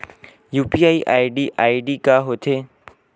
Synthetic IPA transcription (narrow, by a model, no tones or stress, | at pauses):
juːpiːaːiʔaːiɖiːʔaːiɖiːkaːɦoːt̪ʰeː